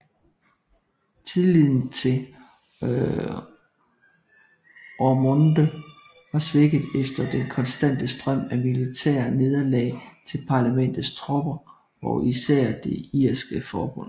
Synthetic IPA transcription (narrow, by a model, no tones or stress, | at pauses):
t͡sʰiðˠliðˠn̩t͡sʰe̝ | ɒmɔnd̥ə | ʋɑ̈sʋeɡ̥ð̩ˠefd̥ɐd̥enkʰɒ̽nsd̥æn̰d̥əsd̥ʁɶm̰æmilit͡sʰɛ̰ːɐne̝ð̞ˠɐlɛ̰ːɪt͡sʰe̝lpʰɑ̈ːlæmen̰d̥ð̩ˠst͡sʰʁob̥ɐ | ɒ̽ʔisæɐ̰d̥e̝iɐsɡ̥əfɒːb̥ɔ̽n̰